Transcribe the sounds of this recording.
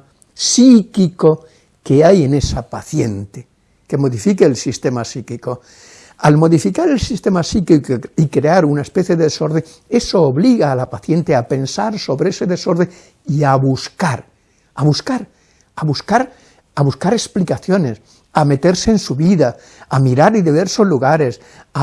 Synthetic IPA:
sikiko̞ | keaje̞ne̞sapaθje̞nt̪e | ke̞moðifikeːlsist̪e̞masikiko̞ | almo̞ðifikaɾe̞lsist̪e̞masikikoikɾe̞aɾunaespeθjeðeðeso̞ɾðeŋ | e̞so̞ːβliɣaːlapaθje̞nt̪eape̞nsaɾso̞βɾeese̞ðe̞so̞ɾð̞eŋ | iaβuskaɾ | aβuskaɾ | aβuskaɾ | aβuskaɾe̞splikaθjo̞ne̞s | ame̞t̪e̞ɾseːnsuβiða | amiɾaɾiðiβ̞e̞ɾso̞zluɣaɾe̞s | a

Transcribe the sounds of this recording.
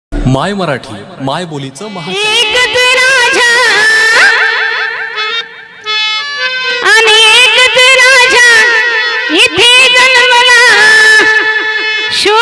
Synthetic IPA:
majməɾaʈʰiːmajbolit͡səməɦaekd̪inad͡ʑʱa | aniekd̪enad͡ʒʱa | jit̪ʰed͡zənəməla | ɕo

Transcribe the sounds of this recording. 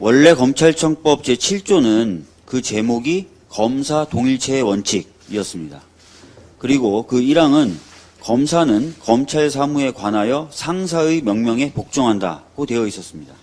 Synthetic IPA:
wʌɭːe̞kʌmt͡ɕʰaɭt͡ɕʰʌŋp͈ʌp̚t͡ɕ͈e̞t͡ɕʰiɭt͡ɕ͈onɯn | kɯt͡ɕe̞moɡi | kʌmsʰatoŋiɭt͡ɕʰe̞ːwʌnt͡ɕʰiɡ̚iʌs͈ɯmɲida | kɯɾiɡokɯiɾaŋɯn | kʌmsʰanɯnkʌmt͡ɕʰaɭsʰamue̞kwanajʌsʰaŋs̬ʰaɯjmjʌŋmjʌŋe̞pok̚t͡ɕ͈oŋɦanda̰ɡ̥otwe̞ʌis͈ʌs͈ɯmɲida

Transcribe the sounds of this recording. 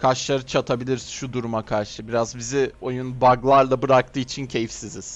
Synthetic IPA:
kʰaʃlˠaɾɯt͡ʃʰat̪ʰabilʲiɾzʃud̪uɾumakʰaɾʃɯbiɾazbizio̞junbaɡlˠaɾlˠabɯɾak̚t̪ʰɯːit͡ʃʰincʰe̞jifsizi̥

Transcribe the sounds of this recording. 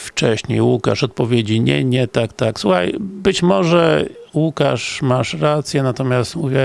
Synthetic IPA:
ft͡ʂɛɕɲejwuka̰ʂɔt̪̚pɔvʲjed͡ʑiɲɛ̰ɲɛt̪akt̪akswuxa̰jbɘt͡ɕmɔʐɛwuka̰ʂmaʂɾat̪sʲjɛnat̪ɔmʲjast̪muvʲɛ

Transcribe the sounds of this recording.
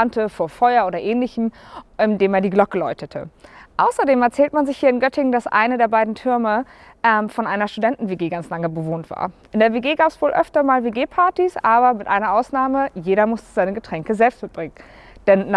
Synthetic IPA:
antʰəfoːɐfɔʏɐʔoːɾɐʔɛːnlɪçm̩ʔɪndeːmaɐndiːɡlɔkəlɔʏtʰətʰə̰ʔaʊsɐdeːmɛɐt͡sɛːltmanzɪçhiːɐɪnɡœtɪŋdasʔa̰ɪnədeːɐbaɪdn̩tʰʏɐmə | ʔɛːmfɔnʔaɪnɐʃtudɛntn̩veːɡeːɡant͡slaŋəbəvoːntv̥a̰ːɐʔɪndeːɐveɡeːɡaːpsv̥oːlʔœ̰ftɐmaːlveːɡeːpʰaɐtisʔaːβɐmɪtʔa̰ɪnɐʔaʊsnaːməjeːɾɐmʊstə̥zaɪnəɡətʁ̥ɛŋkəzɛlpst̚mɪt̚b̥ʁɪŋən | d̥ɛnː

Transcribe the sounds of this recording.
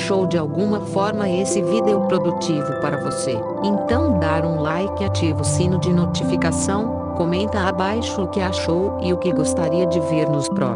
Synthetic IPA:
ʃowd͡ʒɪawɡũmɐfɔɾmɐesɪvid̪eʊpɾod̪ut͡ʃivʊpaɾɐvose | ẽnt̪ɐ̃w̃d̪aɾũlajkɪat͡ʃivʊsĩnʊd͡ʒɪnot͡ʃifikasɐ̃w̃ | komẽnt̪ɐabajʃʊʊkɪaʃowɪʊkɪɡost̪aɾiɐd͡ʒɪveɾnʊspɾɔ̰

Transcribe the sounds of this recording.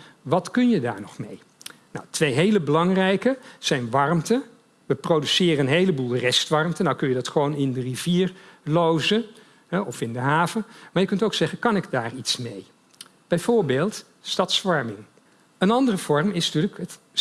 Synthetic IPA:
ʋɑtkɵnjəda̰ːɹnɔχmej | nɔwtʋejɦejləbəlɑŋrɛjkəz̥ɛjnʋɑrmtə | ʋəprowdysɪːrəənɦejləbulˠrɛstʋɑɹmtənawkɵnjədɑtχəʋownɪndəriv̥iːɹlowzən | ɦɛɔfɪndəɦaːvəmaːjəkɵntowksɛχənkɑnɪɡdaːritsmej | b̥ɛjvʊːɹbeːlˠt | stɑtsʋɑɹmɪŋ | ənɑndərəv̥ɔɹmɪsnətyːləkət

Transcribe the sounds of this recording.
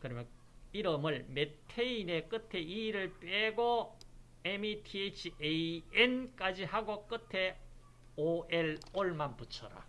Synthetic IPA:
kɯɾʌmjʌn | iɾɯmɯɭmetʰeine̞k͈ɯtʰe̞iɾɯɭp͈eɡo | emitʰiet͡ɕʰieenk͈ad͡ʑihaɡok͈ɯtʰe̞ | oʔeloɭmanput͡ɕʰʌɾa̰

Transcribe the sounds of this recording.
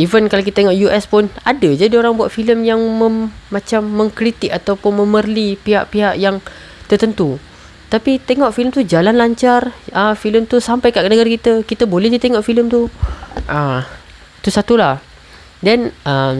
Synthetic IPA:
ivənkalakit̪at̪eŋoʔjuʔɛspʊnadad͡ʒadioɾaŋbuat̪̚filəmjaŋməːãt͡ʃamːə̃ŋkɾit̪ɪkat̪awpʊnmə̃mərlipiɦaʔpiɦaʔjaŋ | t̪ərt̪ənt̪u | t̪apit̪eŋɔʔfiləmt̪ud͡ʒalanlaɲt͡ʃarəmfiləmt̪usampajkaʔkənəɡaɾakit̪əkit̪əbolɛhdit̪eŋɔʔfiləmt̪uʔəm | t̪usat̪ulah | dɛnəm

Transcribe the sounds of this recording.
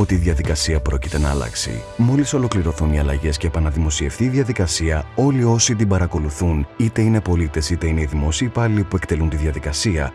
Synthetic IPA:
o̞t̪iːðʝɐðikɐsiɐpɾo̞cit̪e̞nɐɐ̰lɐ̰ksḭ | mo̞liso̞lo̞kliɾo̞θuniɐlɐʝe̞sce̞ːpɐnɐðimo̞sie̞fθiːðʝɐðikɐsiɐo̞lio̞sit̪̬ibɐɾɐko̞luθunit̪e̞ine̞po̞lit̪e̞sit̪e̞ineiðimo̞siːpɐlipuekt̪e̞lunt̪iðʝɐðikɐsiɐ

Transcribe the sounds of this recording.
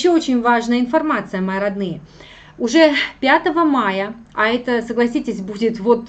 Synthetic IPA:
ɕːoot͡ɕɪnʲvaʐnəjəɪnfɐrmat̪sɨjəmɐjəɾɐd̪nɨjə | ʊʐɛpʲat̪əvəmajəɐɛt̪əsəɡlˠɐsʲitʲɪsʲbudʲɪt̪vo̞t̪

